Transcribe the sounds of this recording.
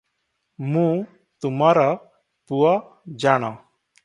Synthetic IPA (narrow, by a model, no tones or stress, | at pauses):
mũ | t̪umaɾɔ | puɔ | d͡ʒaɽ̃ɔ